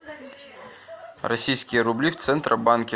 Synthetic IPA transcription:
rɐsʲijskʲijɐɾʊblʲiwt̪sɛnt̪ɾʔɐbankʲɛ

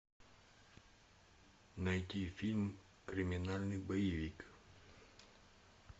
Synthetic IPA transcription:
nɐjt̪ʲifʲilʲm | kɾʲɪmʲɪnalʲnɨjbɐjɪvʲik

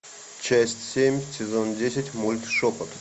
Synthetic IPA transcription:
t͡ɕæsʲtʲsʲemʲsʲɪzondʲesʲɪtʲmulʲt̪ʂopət̪

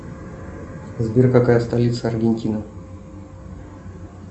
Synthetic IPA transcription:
zbʲirkakajəst̪ɐlʲit̪səɐrɡʲɪnʲtʲinə

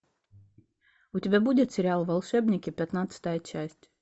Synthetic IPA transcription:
ut̪ʲibʲæbud̪ʲet̪sʲɛɾʲalˠvalˠʃɛbnʲɛkʲipʲɛt̪naːt̪sɨ̥t̪ajat͡ʃæsʲt̪ʲ

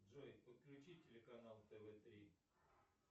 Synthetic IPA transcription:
ʐojpət̪̚klʲʉt͡ɕitʲɪlʲɪkɐnalˠt̪ɛvɛt̪ɾʲi

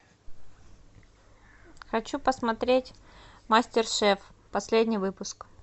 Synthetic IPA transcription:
xɐt͡ɕupəsmɐt̪ɾʲetʲ | masʲtʲɪrʂɛf | pɐsʲlʲedʲnʲɪjvɨpʊsk

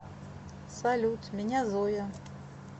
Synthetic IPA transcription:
salʲut̪mʲɛnʲazɔjɐ

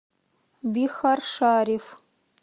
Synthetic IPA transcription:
bixarʂaːrif

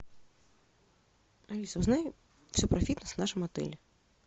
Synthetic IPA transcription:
ɐlʲisɐwznaj | fsʲɔpɾɐfʲit̪nɐsnaʂɨmɐt̪ɛ̰lʲɛ

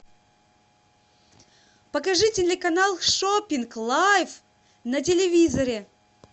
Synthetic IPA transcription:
pəkɐʐɨtʲɪlʲɪkɐnalˠʂopʲɪnklˠajf | nɐt̬ʲɪlʲɪvʲizɐɾʲɪ

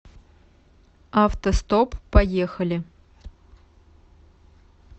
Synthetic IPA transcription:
aft̪ost̪opːɐjexɐlʲɪ

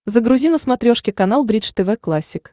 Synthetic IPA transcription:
zəɡɾʊzʲinəsmɐt̪ɾʲoʂkʲɪkɐnalˠbɾʲit͡ʃt̪ɛvɛklˠasʲːɪk

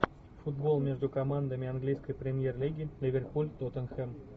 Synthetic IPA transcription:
fud̪̚bolˠmʲeʐd̪ukomɑnd̪əmʲiɑnɡlʲijskəjprʲemʲjerlʲiɡʲilʲivʲerpulʲt̪ot̪ə̆nxem

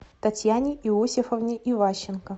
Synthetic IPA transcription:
t̪ɐtʲjanʲɪʔiosʲɪfəvnʲɪʔivaɕːɪnkə

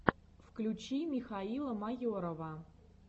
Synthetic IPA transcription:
fklʲut͡ɕimʲixɑilˠəmɑjoɾovə

